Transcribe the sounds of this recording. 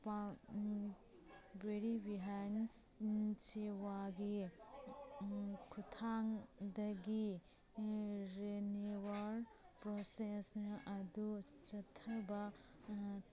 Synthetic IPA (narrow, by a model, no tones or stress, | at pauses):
pa | beɾibiɦan | nt͡ʃewaɡi | kʰut̪ʰaŋd̪ɐɡi | ɾenewaɾpɾɔsesnɐɐd̪u | t͡ʃɐt̪ʰɐbɐ